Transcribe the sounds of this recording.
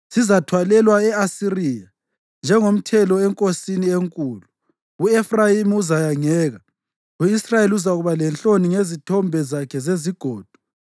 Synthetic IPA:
sizatʰwalɛlwaɛasiriːja | nd͡ʒʱɛŋom̩tʰɛlɔɛŋkʼosinieŋkʼuːlu | uɛfrajimiuzajaŋɛːɣa | uisrajeluzaɣuβalɛnt͡ɬoniŋezitʰɔmbʱɛzakʰɛzeziɡ̥ʱɔːd̥ʱu̥

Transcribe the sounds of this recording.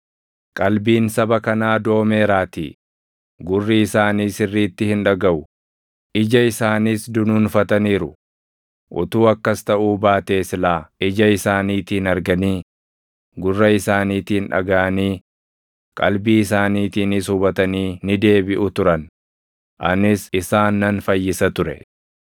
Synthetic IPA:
kʼɐlbiːnsɐbɐkɐnaːd̪o̞ːme̞ːɾaːt̪ḭː | ɡʊrːiɪsaːniːsɪrːiːt̪ːɪhɪnᶑɐɡɐʔʊ | ʔɪd͡ʒɐɪsaːniːsd̪ʊnuːnfɐt̪ɐniːɾʊ | ʔʊ̰t̪uːɐkːɐst̪ɐʔuːbaːt̪e̞ːslaːɪd͡ʒɐɪsaːniːt̪iːnɐɾɡɐniː | ɡʊrːɐɪsaːniːt̪iːnᶑɐ̰ɡɐɐniː | kʼɐlbiːɪsaːniːt̪iːnɪsʊbɐt̪ɐniːnɪd̪e̞ːbɪʔʊt̪ʊɾɐn | ʔɐ̰nɪsɪsaːnːɐnfɐjːɪsɐt̪ʊɾɛ̰

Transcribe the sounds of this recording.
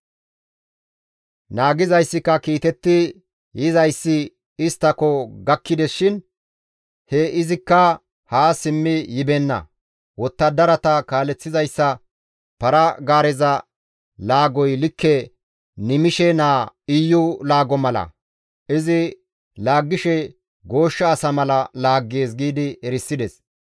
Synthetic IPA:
naːɡɪzɐjsːɪkːɐkiːt̪ɛt̪ːɪ | jɪzɐjsːɪ | ɪst̪ːɐkɔɡɐkːɪd̪ɛʃɪn | hɛɪzɪkːɐ | haːsɪmːɪjɪbɛnːɐ̰ | wɔt̪ːɐd̪ɐɾɐt̪ɐkaːlɛt͡sːɪzɐjsːɐ | pɐɾɐɡaːɾɛzɐ | laːɡɔjlɪkːɛ | nɪmɪʃɛnaːɪjːʊlaːɡɔmɐlɐ̰ | ʔɪzɪ | laːɡːɪʃɛ | ɡo̞ːʃːɐːsɐmɐlɐlaːɡːe̞ːs̬ɡiːd̪ɪɛɾɪsːɪd̪ɛs

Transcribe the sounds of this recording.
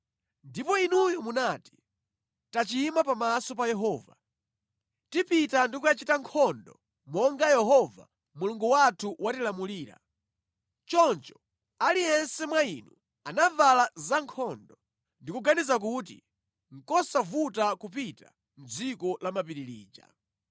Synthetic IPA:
ndipɔinujɔmunati̥ | tat͡ʃimapamasɔpajɛɦɔːva | tipitandikuat͡ʃitaŋkʰɔndɔ | mɔŋɡajɛɦɔva̰ | muluŋɡuwatʰuwatilamuliːɾa̰ | t͡ʃɔnt͡ʃɔ̥ | aliɛnsɛmwainu | anavalazaŋkʰɔndɔ | ndikuɡanizak̬uːt̬i | ŋ̩kɔsavutakupita | m̩d͡zikɔlamapiɾilḭːd͡ʒa̰

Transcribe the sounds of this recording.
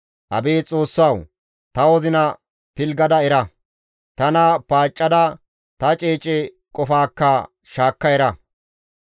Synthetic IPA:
ʔɐ̰beːt͡sʼo̞ːsːɐw | t̪ɐwɔzɪnɐ | pɪlɡɐd̪ɐɛɾɐ | t̪ɐnɐpaːt͡ʃʼːɐd̪ɐ | t̪ɐt͡ʃʼeːt͡ʃʼɛ | kʼɔfaːkːɐ | ʃaːkːɐjɛɾɐ

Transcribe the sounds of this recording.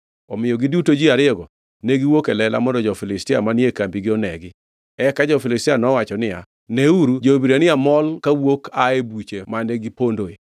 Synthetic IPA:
ɔmɪjɔɡidutod͡ʒiaɾɪɔɡɔ | neɡiwokelɛla̰mɔndɔd͡ʒɔfilɪstɪamanɪekambiɡɪɔnɛɡɪ | ɛkad͡ʒɔfɪlɪstɪanɔwat͡ʃɔnɪja | neuɾud͡ʒobiɾanɪamɔlkawokaebut͡ʃemaneɡipondoe

